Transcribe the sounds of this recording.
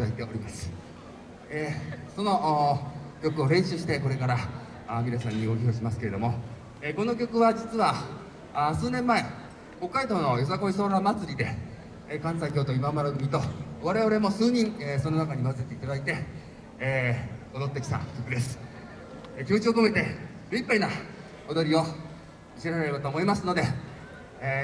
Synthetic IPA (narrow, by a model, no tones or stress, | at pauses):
d̪ait̪e̞o̞ɾʲimasɨ̥ | eso̞no̞ | kʲo̞kɯ̟o̞ɾẽ̞ɰ̃ɕɨɕi̥t̪e̞ko̞ɾe̞kaɾa | mʲiɾasãɲ̟ːio̞çʲio̞ːɕ̬imasɨ̥ke̞ɾe̞d̪o̞mo̞ | eko̞no̞k̬ʲo̞kɯ̟βad͡ʑit͡sɨβa | sɨːnẽ̞mːae̞ | ko̞kːaid̪o̞ːno̞jo̞s̬ako̞is̬o̞ːɾamat͡sɨɾʲid̪e̞ | kãsaikʲo̞ːt̪o̞imamaɾaɡɯ̟mʲit̪o̞βaɾe̞βaɾe̞mo̞sɨːɲ̟ĩŋeso̞no̞nakaɲ̟imas̬e̞t̪e̞it̪ad̪ait̪e̞ | o̞d̪o̞t̪ːekʲi̥sã̰kʲo̞kɯ̟d̪e̞sɨ̥ | ekʲimo̞t͡ɕiokome̞t̪e̞ɾɯ̟ipːaina | od̪o̞ɾʲio̞ | ɕiɾaɾeɾebat̪o̞ːmo̞imasɨno̞d̪e̞